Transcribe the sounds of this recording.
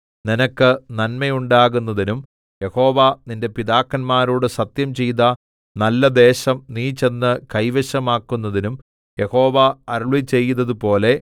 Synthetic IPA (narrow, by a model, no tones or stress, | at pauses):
ninɐkːɨnɐnmɐjuɳɖaːɣunːɐðinum | jeho̞ːʋɐninde̞piðaːkːɐnmaːɾuːɽɨsɐt̪jɐmt͡ɕejðɐ | nɐlːɐd̪e̞ːɕɐmniːt͡ɕe̞nːɨkɐjʋeɕɐmaːkːunːɐðinum | je̞ho̞ːʋɐɐɾuɭit͡ɕe̞jːunːɐðupo̞ːle̞